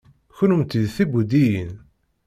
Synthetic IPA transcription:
çʊnumt̪iðθibud̪ijin

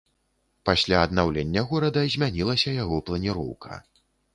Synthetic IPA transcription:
pasʲlʲaɐd̪nawlʲenʲːɐɣɔɾɐd̪ɐzʲmʲanʲilˠɐsʲɐjaɣɔplˠɐnʲiɾɔ̰wkʰɐ̰

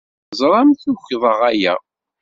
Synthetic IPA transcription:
zˤɾˤɑmθuçðˤəʁæjæ

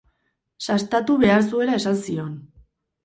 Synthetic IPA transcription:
sast̪at̪uβe̞aɾs̬ue̞ɾae̞sansio̞n

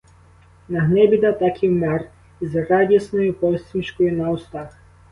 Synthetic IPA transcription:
nɐɦnɛbʲid̪ɑt̪akʲiwmɛr | izrɑdʲisnɔjʊpɔwsʲt̪ʲinʲʃkɔjʊnɐwst̪ɑx

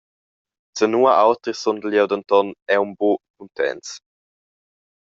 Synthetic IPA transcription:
t͡sənuːaʔawt̪ɾisondəljɛwd̪ənt̪ɔnɛwmbokunt̪ɛ̰ns

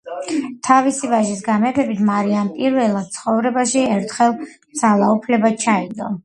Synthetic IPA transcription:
t̪ʰavisivaʒisɡamɛt̪ʰɛbit̪ʰmaɾianpʼiɾvɛlˠad̪̚t̪sʰχɔvɾɛbaʃiɛɾt̪ʰχɛlˠ | z̥alˠaupʰlɛbat͡ʃʰaid̪ɔ

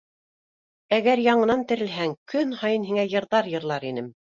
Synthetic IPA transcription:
æɡæɾjɑɴɤ̆nɑnt̪ɘ̆ɾɘ̆lɦæŋkɵnhɑjɤnɦiŋæjɤ̆ɾðɑɾjɤ̆ɾlˠɑɾinɘm

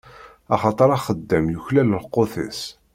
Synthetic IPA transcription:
ɑχɑt̪ˤəɾˤɑχəd̪ːəmjuçlæləlqːoθə̰s

